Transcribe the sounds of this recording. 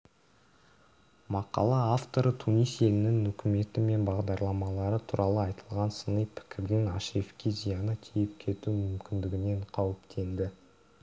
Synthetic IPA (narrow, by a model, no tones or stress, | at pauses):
mɑqɑ̰lˠɑaft̪o̞ɾət̪ʰunijse̞lɪnɪŋɵkʲʰɪme̞t̪ɪme̞nbɑʁd̪ɑɾlˠɑmɑlˠɑɾət̪ʰuɾʔɑlˠəɑjt̪əlˠʁɑnsənəjpʰɪ̥kʲʰɪɾd̪ɪŋɑ̰ʃefkʲizijɑnəkʲʰijɪp̚kʲʰe̞t̪umʏmkʲɪnd̪ɪɡʲɪne̞ɴqʰɑwɪpt̪ʰe̞nd̪ɪ